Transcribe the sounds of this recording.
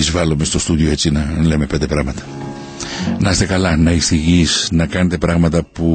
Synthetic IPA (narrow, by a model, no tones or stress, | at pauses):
izvɐlome̞st̪o̞st̪uðio̞e̞t͡sinɐle̞mepe̞nd̪e̞pɾɐɣmɐt̪ɐ̥ | nɐst̪e̞kɐlɐnɐist̪iʝisnɐkɐne̞t̪e̞pɾɐɣmɐt̪ɐpu